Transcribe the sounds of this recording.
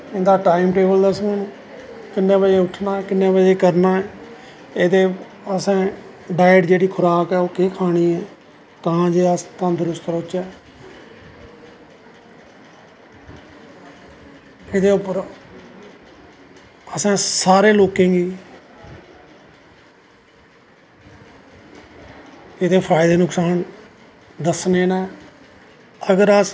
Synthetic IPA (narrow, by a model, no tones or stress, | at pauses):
ɪnd̪aːʈaːɪmʈeːbəld̪əsmẽːnː | kɪnːẽːbəd͡ʒeːʊʈʰnaːɛːkɪnːẽːbəd͡ʒeːkəɾnaːɛː | eːd̪eː | əsãːɖaːɪəʈd͡ʒeːɽiːkʰʊɾaːkɛːoːkeːkʰaːɽ̃iːɛː | t̪aãːd͡ʒeːəst̪ãːd̪ʊɾʊst̪ɾʊt͡ʃɛː | ɪd̪eːʊpːəɾ | əsãːsaːɾeːloːkẽːɡiː | ɪd̪eːpʰaːɪd̪eːnʊksaːn | d̪əsneːnɛː | əɡəɾəs